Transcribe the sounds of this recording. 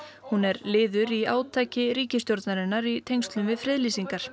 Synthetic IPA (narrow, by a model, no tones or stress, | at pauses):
hunɛɾlɪːðʏɾiaːwt̪ʰaːjcɪɾiːcɪst̪jowɾt̪naɾɪnːaɾit̪ʰejŋkst̪lʏmvɪðfɾɪðliːsiŋkaɾ̥